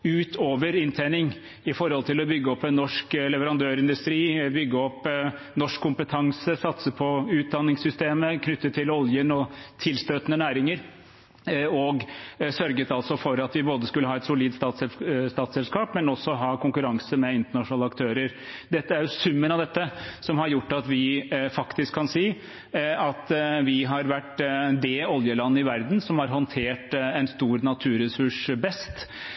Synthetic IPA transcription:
ʉːt̪ʰoːʋəɾɪnt̪ʰænɪŋ | ɪfɔɾhɔlt̪ʰɪlɔbʏɡːəɔpːɛnːɔʂklɛʋəɾɑnd̪øːɾɪnd̪ʉst̪ɾiːbʏɡːəɔpː | nɔʂkʰːʊmpət̪ʰɑŋsəsɑt̪səpʰɔʉːt̪̚d̪ɑnːɪŋsʏst̪eːməkʰnʏt̪ːət̪ʰɪlɔljənɔt̪ʰɪlst̪øːt̪nənæːɾɪŋəɾ | ɔɡsœɾɡət̪ɑlt̪sɔfɔɾɑt̪ʋɪboːd̪əskʉlːəɦɑːɛt̪sʊliːd̪st̪ɑːt̪sɛst̪ɑːt̪sɛlskɑːpmɛnɔsːɔɦɑːkʰʊŋkʉɾɑŋsəmɛɪnt̪əɳɑʂʊnɑːləɑkt̪ʰøːɾəɾ | d̪ɛt̪ːəæɾjʊsʉmːənɑʋd̪ɛt̪ːəsɔmhɑɾjʊʈːɑt̪ʋɪfɑkt̪ɪskʰːɑnsiː | ɑt̪ʋɪɦɑɾʋæʈːd̪ɛɔljəlɑnːəɪʋæɾd̪n̩sɔmhɑɾɦɔnt̪ʰeːʈɛnst̪uːɾnɑt̪ʰʉːɾɛsʉʂbɛst̪

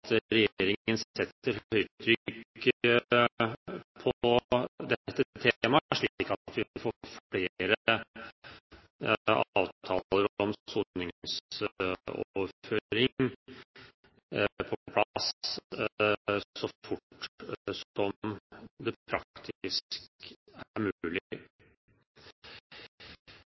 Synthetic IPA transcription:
t̪ɾɛjeːɾɪŋənsɛt̪ːəɾhœʏt̪ʰɾʏɡ | pʰɔ | d̪ɛt̪ːəət̪ʰemɑæʂɭiɪkːɑt̪ʋɪɪfoːfɽeːɾə | ɑ̰ːʋtt̪ʰɑ̰ːlləɾɔmsuːnɪŋs | ɔ̰ːføːɾɪŋ | pʰɔpʰlɑs | sɔfʊʈsɔmd̪ɛpʰɾɑkt̪ʰɪskæɾmʉːlɪ

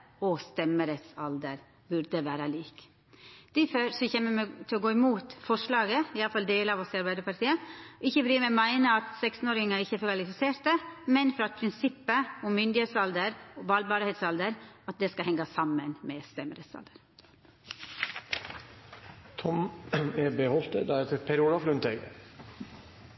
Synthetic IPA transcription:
ɔst̪ɛməɾɛt̪sɑld̪əɾ | bʉɾd̪əʋæːɾəliːk | d̪̥ɪføɾsɔçɛːmːəmɛt̪ʰɪlɔɡoːɪmuːt̪fɔʂɭɑːɡəɪɑləfɑld̪eːləɑʋɔsɪɑɾbæɪd̪əɾpɑɾʈ̪ʰiːəɔɪçːəɾmɛmæɪnəɑt̪sɛkst̪n̩oːɾɪŋɑɪçːəfɔɾkɑlɪfɪseːɾt̪əmɛnfɔɾɑt̪̚pʰɾɪnsɪpːəɔmːʏnd̪ɪheːt̪sɑld̪əɾɔbɑːlbɑːɾheːt̪sɑld̪əɾɑt̪̚d̪ɛskɑhɛŋːɑsɑmənmɛst̪ɛməɾet̪sɑ̰ld̪əɾ | t̪ʰɔmeːbehɔlt̪ə̰d̪æɛt̪pʰɛɾuːlɑflʉnt̪ʰɛɡə̰

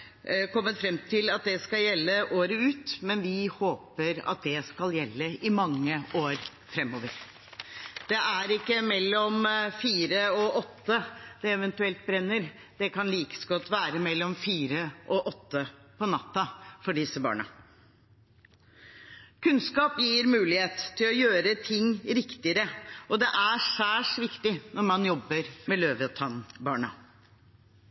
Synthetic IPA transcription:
kʰɔmːət̪fɾɛmt̪ʰɪlɑt̪̚d̪ɛskɑljɛlːəʔoːɾəʉːt̪mɛnʋɪhoːpəɾɑ̰t̪̚d̪ɛskɑljɛlːəɪmɑŋːəoːɾ | fɾɛmːoːʋəɾ | d̪̥ɛæɾɪkːəmɛlːɔmfiːɾəɔʔɔt̪ːəd̪̥ɛɛʋɛnt̪ʉɛlt̪̚bɾɛnːəɾ | d̪̥ɛkɑnliːkə̥sɡɔt̪ːʋæːɾəmɛlːɔmfiːɾəʔɔʔɔt̪ːəpʰɔnɑt̪ːɑfɔɖɪsəbɑ̰ːɳɑ̰ | kʰʉnskɑːpjiːɾmʉːlɪheːt̪t̪ʰːɪlɔjøːɾət̪ʰɪŋːɾɪkt̪ɪəɾəʔɔd̪ɛʔæʂæːʂʋɪkt̪ɪnɔɾmɑnjɔbːəɾmɛløːʋət̪ʰɑnbɑːɳɑ

